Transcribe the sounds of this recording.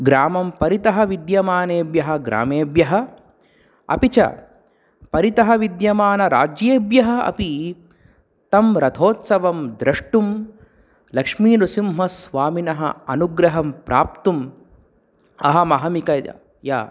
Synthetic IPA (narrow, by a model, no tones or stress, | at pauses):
ɡɾaːmɐmpɐɾit̪ɐɦɐʋid̪jɐmaːneːbjɐɦɐ̆ɡɾa̰ːmeːbjɐɦɐ | ɐ̰pit͡ʃɐ̰ | pɐɾit̪ɐɦɐʋid̪jɐmaːnɐɾa̰ːd͡ʒjeːbjɐɦɐ̆ɐ̰pi | t̪ɐmɾɐt̪ʰoːt̪sɐʋɐmd̪ɾɐʂʈum | lɐkʂmiːnusimɦɐsʋaːminɐɦɐ̰ɐnuɡɾɐɦɐmpɾa̰ːp̚t̪um | ɐɦɐmɐɦɐmikɐ̰ | ja̰ː